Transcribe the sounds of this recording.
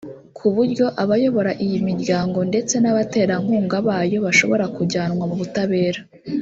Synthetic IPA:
kʰuβuɾɟo̞ʔaβajo̞βo̞ɾaʔijimiɾɟaːŋɡo̞nde̞t͡se̞naβate̞ːɾaŋ̥uːŋɡaβaːjo̞βaʃo̞̰βo̞ɾakuɟaːnŋwamuβutaβe̞ːɾa

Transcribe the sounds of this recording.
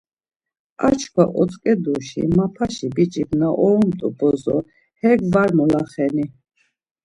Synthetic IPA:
a̰t͡ʃʰkʰwaʔɔt͡s̪ʼkʼɛd̪uʃḭmapʰaʃibit͡ʃʼibnaʔɔɾɔmt̪ʼṵbɔzɔ | hɛɡvaɾmɔlaχɛni

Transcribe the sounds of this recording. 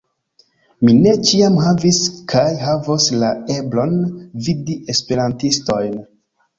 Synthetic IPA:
mine̞t͡ʃiamɦaviskʰajɦavoslae̞blo̞nvidiʔe̞spe̞ɾantisto̞jn

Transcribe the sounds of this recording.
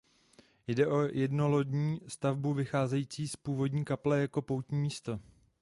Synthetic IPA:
jdɛʔo̞jɛdno̞lo̞dɲiːst̪avbuvɪxaːzɛjiːt͡siːspuːvo̞dɲiːkaplɛjako̞po̞wt̪ɲiːmiːst̪o̞

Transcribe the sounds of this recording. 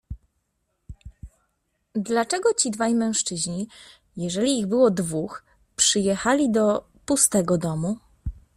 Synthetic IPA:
d̪lat͡ʂɛɡɔt͡ɕid̪vajmɛ̃w̃ʂt͡ʂɘʑɲi | jɛʐɛlʲiːɣbɘwɔd̪vux | pʂɘjɛxalʲid̪ɔ | pust̪ɛɡɔd̪ɔmu

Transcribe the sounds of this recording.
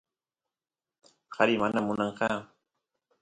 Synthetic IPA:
qɑɾɪmanamʊnɑɴqɑː

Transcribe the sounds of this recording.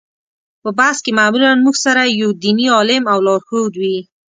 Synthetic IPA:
pəbaskemaːmulanmuɡsaɾajawd̪iniɑlɪmawlɑɾxod̪wi

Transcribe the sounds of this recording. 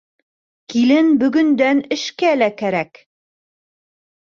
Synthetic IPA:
kilɘnbɵ̆ɡɵ̆nd̪ænɘ̆ʃkælækæɾæk

